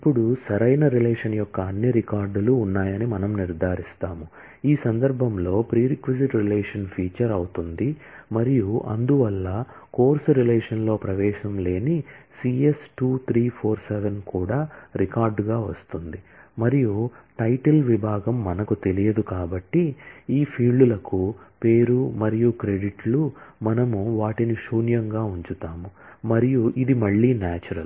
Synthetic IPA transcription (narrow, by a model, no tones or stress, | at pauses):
ipːuɽusɐɾɐjnɐɾilɛːʂɐnjɔkːɐːnːiɾikaːɾɖluːnːaːjɐnimɐnɐmniɾd̪ʱaːɾist̪aːmu | iːsɐnd̪ɐɾbʱɐmlo̞ːpɾiːɾikʋiziʈɾilɛːʂɐnpʰiːt͡ʃɐɾɐwut̪und̪i | mɐɾijuʔɐ̰nd̪uʋɐlːɐ | ko̞ːɾsuɾilɛːʂɐnlo̞ːpɾɐʋɛːʂɐmle̞ːnisiːesʈuːt̪ʰɾiːpʰoːɾsɛʋenkuːɽaːɾikaːɾɖɡaːʋɐst̪und̪imɐɾijuʈɐjʈɐlʋibʱaːɡɐmːɐnɐkut̪e̞lijɐd̪ukaːbɐʈːiiːpʰiːɭɖulɐkupe̞ːɾumɐɾijukɾe̞ɖiʈlumɐnɐmuʋaːʈiniʃuːnjɐŋɡaːuɲt͡ʃut̪aːmu | mɐɾijuʔid̪imɐɭːiːnaːt͡ʃuɾɐl